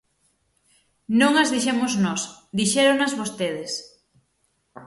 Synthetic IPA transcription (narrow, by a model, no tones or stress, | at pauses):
nõŋazðiʃemoznɔsd̪iʃɛɾonazβost̪eð̞es